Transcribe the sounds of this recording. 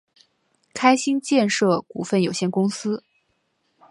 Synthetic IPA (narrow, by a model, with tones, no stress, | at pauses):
kʰa˥ɪɕi˥nt͡ɕjɛ˥˧nʂɤ˥˩ku˨˩fə˥˩njo˨˩ʊɕjɛ˥˩nkʊ˥ŋsɹ̩˥